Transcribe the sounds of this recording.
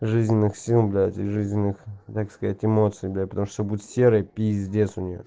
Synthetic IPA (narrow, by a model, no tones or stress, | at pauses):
ʐɨzʲnʲɪnːɨxsʲilˠblʲat̪ʲɪʐɨzʲnʲɪnːɨxt̪akskɐzatʲɪmo̞t̪sɨjblʲapət̪ɐmuʂt̪obudʲɪt̪ʲsʲe̞ɾɨjəpʲizʲdʲesʲʊnʲɪjo̰